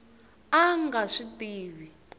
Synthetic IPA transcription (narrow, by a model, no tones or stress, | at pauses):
aŋɡaʂitiːβi